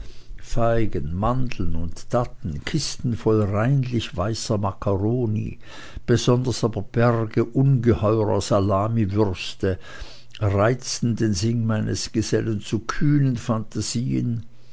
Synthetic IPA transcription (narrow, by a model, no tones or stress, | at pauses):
faɪɡənmandl̩nʊntd̥atn̩kʰɪstn̩fɔlʁaɪnlɪçv̥aɪsɐmakʰaʁoːnḭ | b̥əzɔndɐsaːbɐb̥ɛʁɡəʔʊnɡəhɔʏʁɐ̰zalaːmivʏʁstə | ʁaɪt͡stn̩deːnzɪŋmaɪnəsɡ̥əzɛlənt͡sukʰyːnənfantʰaziːə̰n